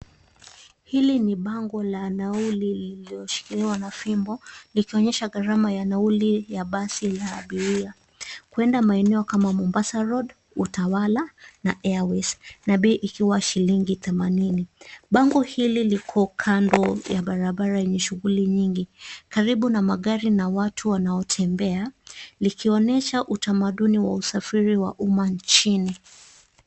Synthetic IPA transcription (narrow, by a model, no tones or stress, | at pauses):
hiliniɓaŋɡɔlanaulililiɔʃi̥kiliwanafimbɔlikiɔɲɛʃaɣaɾamajanaulijaɓasilaːɓiɾia | kuɛndamaɛnɛɔkamamɔmbasaɾɔd | utawalanaʔɛawɛsnaɓɛːʔikiwaʃiliŋɡiθɛmaniniɓaŋɡɔhililikʰɔkʰandɔjaɓaɾaɓaɾajɛɲɛʃuɣuliɲiŋɡikaɾiɓunamaɠaɾinawatʰuwanaɔtʰɛmbɛalikʰiɔnɛʃaʔutamaɗuniwa̰usafiɾiwa̰ʔumaɲt͡ʃini